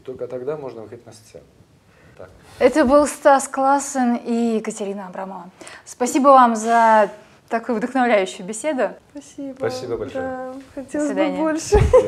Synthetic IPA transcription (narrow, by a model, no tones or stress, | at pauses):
t̪o̞lʲkət̪ɐɡd̪amo̞ʐnəvɨxəɪt̚ʲnɐssʲḛ | t̪ak | ɛt̪əbɨlˠst̪asklˠasənikətʲɪɾʲinəɐbɾaməvəspɐsʲibəvamzə | t̪ɐkujʊvd̪əxnɐvlʲæjʉɕːʊjʊbʲɪsʲe̞d̪ʊpɐsʲibpɐsʲibəbɐlʲʂxɐtʲesˠəsd̪abolʲʂɨ